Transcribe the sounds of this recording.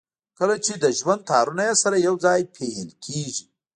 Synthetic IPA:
kəlat͡ʃed̪əʒwand̪̚t̪ʰɑɾunajasaɾajawd͡zɑjpʰeɦəlkʰeʒi

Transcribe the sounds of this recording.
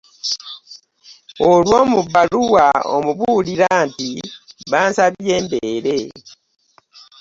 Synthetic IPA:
olwo̞ːmuβaluwao̰muβuliɾaːntiβaːnsaβje̞ːmbeɾe̞

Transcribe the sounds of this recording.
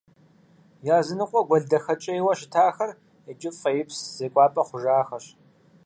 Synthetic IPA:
jaːzɨnɨqʷʼɔɡʷɔɮdɐxɐt͡ʃʼɐjwɐʃɪtʰaːxɐr | ed͡ʒʼɪpfɐjɪpsz̥eːkʷʼɑːpʼɐχʷʊʒaːxɐɕ

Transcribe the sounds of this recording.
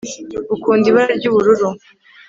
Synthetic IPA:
ukuːndiβaɾaɾɟuβuɾuɾu

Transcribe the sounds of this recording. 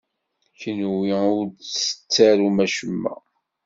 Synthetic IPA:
çənwiʊɾsə̥t͡sːæɾumæʃəmːæ̰

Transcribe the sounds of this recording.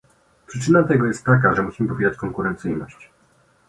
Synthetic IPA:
pʂɘt͡ʂɘnat̪ɛɡɔjɛst̪ːak̬aʐɛmuɕimɘpɔvʲed͡ʑat͡ɕkɔŋkuɾɛnt̪sɘjnɔɕt͡ɕ

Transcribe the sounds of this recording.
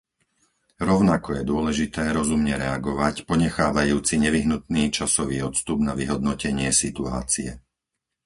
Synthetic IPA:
ɾɔʊnakɔjɛd̪ʊɔlɛʒit̪ɛːɾɔzumɲɛɾɛaɡɔʋacpɔɲɛxaːʋajuːt͡siɲɛʋiɦnut̪̚niːt͡ʃasɔʋiːɔt̪st̪ubnaʋiɦɔd̪nɔcɛɲɪɛsit̪ua̰ːt͡siɛ

